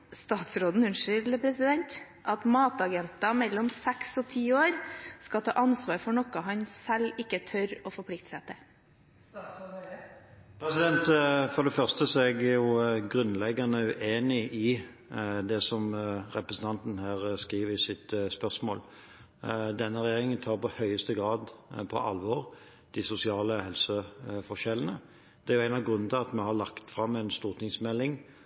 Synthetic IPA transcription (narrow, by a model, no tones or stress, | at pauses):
st̪ɑːt̪sɾoːd̪n̩ʉnʂʏləpʰɾɛsɪd̪ɛnt̪ | ʔɑt̪mɑːt̪ɑɡɛnt̪ɑmɛlːɔmsɛksɔt̪ʰiːoːɾskɑt̪ʰɑ̰ːʔɑnsʋɑːɾfɔɳɔkɑɦɑnsɛlɪkːət̪ʰœɾɔfɔɾpʰlɪk̚t̪sɛt̪ə | pʰɾɛsɪd̪ɛnt̪fɔd̪ɛfœʁst̪əsɔɛɡæjʊɡɾʉnlɛɡːɑnəʉʔeːnɪʔɪ | d̪ɛsɔmɾɛpɾəsn̩t̪ʰɑnt̪n̩hæːʁskʁiːʋəɪsɪt̪spœsmoːl | d̪ɛnːəɾɛjeːɾɪŋənt̪ʰɑːɾpɔhœʏəst̪əɡɾɑːd̪pʰɔ̰ʔɑ̰lʋɔʁ | d̪̥ɪsʊsɪɑːləhɛlsəfɔʃɛlːənə | d̪̥ɛæɾjʊæɪnɑʋɡɾʉnd̪əɑt̪mɛhɑɾlɑkt̪fɾɑmːɛɪnst̪uːɾt̪ɪŋsmɛlːɪŋ